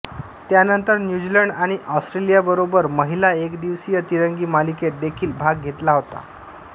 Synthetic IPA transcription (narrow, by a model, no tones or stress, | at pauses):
t̪janənt̪əɾnjud͡ʑiləɳɖaɽ̃iʔɔsʈɾelijabəɾobəɾməɦilaekd̪iʋsijat̪iɾəŋɡiːmaliket̪̚d̪ekʰiːlbʱaɡ̚ːʱet̪laɦot̪a̰